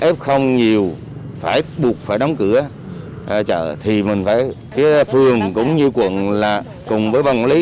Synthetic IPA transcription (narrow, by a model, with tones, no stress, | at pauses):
ʔɛ˦˥p̚xə˧wŋ͡mɲi˨˩əw | faː˧˩jɓu˨˩ək̚faː˧˩jɗɔ˨˦wŋ͡mkɨ˧˩ə | ʔt͡ɕə̰ː˧˨t̪ʰi˨˩mï˨˩ŋ̟faː˧˩jki˨˦fɨ˨˩əŋkʊ̰˧˥ŋ͡mɲɨ˧kwə̰˧˨ənlaː˨˩ | kʊ˨˩ŋ͡mvəː˨˦jva˨˩ŋ͡mli˨˦